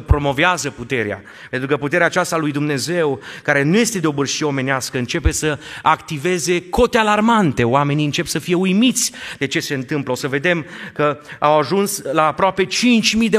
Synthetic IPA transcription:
pɾo̞mo̞veazəput̪e̞ɾea̰ | pent̪ɾukəput̪e̞ɾeaːt͡ʃast̪alujd̪umne̞ze̞wkaɾe̞nuje̞st̪e̞d̪eo̞bɨrʃieome̞neaskəɨnt͡ʃe̞pe̞səakt̪ive̞ze̞ko̞t̪ealarmant̪e̞oame̞niɨnt͡ʃe̞psəfije̞ujmit̪sʲd̪e̞t͡ʃe̞se̞ɨnt̪ɨmpləo̞səve̞d̪e̞mkəawaʒunslaːpɾoape̞t͡ʃint͡ʃʲmijd̪e

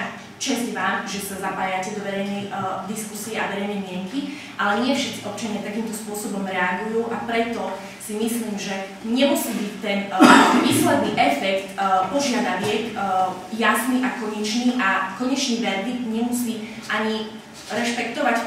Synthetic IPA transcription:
t͡ʃɛzɟʋaːmʒɛsazapaːjacɛd̪ɔʋɛɾɛjnɛjd̪iskusiɛaʋɛɾɛjnɛjmɪɛŋki | ʔalɛɲɪɛfʃɛt̪t͡siʔɔp̚t͡ʃaɲɪat̪akiːmt̪ɔspʊɔsɔbɔmɾɛaɡujuːʔapɾɛt̪ɔ | simisliːmʒɛ | ɲɛmusiːbic̚t̪ɛnʋiːslɛd̪niːʔɛfɛkt̪pɔʒɪad̪aʋɪɛkjasniʔakɔɲɛt͡ʃniːʔakɔɲɛt͡ʃniːʋɛɾd̪it̪ɲɛmusiː | ʔaɲi | ɾɛʃpɛkt̪ɔʋac

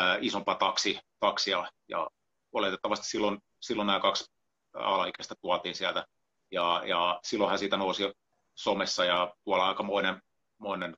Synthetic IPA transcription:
isompɑt̪ɑksit̪ɑksiɑjɑ̰ | olet̪et̪ːɑʋɑst̪i̥silːon | silːonnæːkɑks | ɑ̰lɑikest̪ɑt̪uɑt̪iːnsiælt̪æ | jɑjɑsilːohæsiːt̪ænousi | somesːɑjɑt̪uɑlːɑɑˑikɑmoinen | moinen

